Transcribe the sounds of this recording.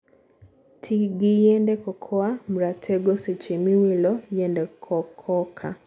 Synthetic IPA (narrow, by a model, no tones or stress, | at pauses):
tʰiɡijɛndɛkɔkʰɔam̩ɾatʰɛɡɔset͡ʃemiwilɔjɛndɛkʰɔkʰɔkʰa̰